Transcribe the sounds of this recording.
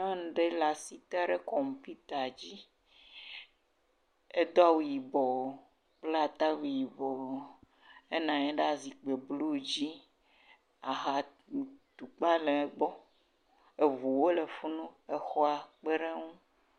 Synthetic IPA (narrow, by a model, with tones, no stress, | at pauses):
nã˦˨ɖe˦la˨si˦t̪a˦ɖe˦kɔ˨m˨pi˦t̪a˨d͡ʑi˦ | e˦d̪o˦a˦wu˨ji˨bɔ˨ | k͡ple˦a˨t̪a˦wu˨ji˨bɔ˨ | e˦nã˨e˦ɖe˦a˦˨zi˨k͡pe˨blu˦˨d͡ʑi˦ | a˨ɦa˨ | t̪u˨k͡pa˦le˨˦ɡ͡bɔ˦ | e˨vu˨wo˦le˨fu˦nũ˦e˨xɔ˦a˨k͡pe˦ɖe˦ŋũ˦